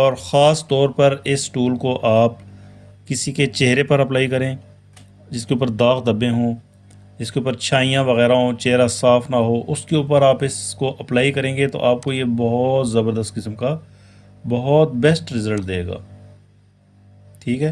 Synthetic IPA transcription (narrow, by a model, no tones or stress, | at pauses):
ɔːɾxaːst̪ɔːɾpɐɾɪsʈuːlkoʔaːp | kɪsiket͡ʃeɦɾepɐɾɐplaːikɐɾẽː | d͡ʒɪskeuːpəɾd̪aːxd̪ɐbẽɦõː | ɪskeuːpəɾt͡ʃʰaːijãʋɐɣɛːɾaɦõt͡ʃeɦɾasaːfʰnaɦoːʔʊskeuːpəɾaːpɪskoʔɐplaːikɐɾẽːŋɡet̪o̰ʔaːp̚kojebɐɦɔt̪zɐbəɾd̪əst̪̚kɪsəmka | bɐɦɔt̪̚bɛsʈɾɪzəlʈ̚d̪eːɡa̰ː | ʈʰiːkɦɛː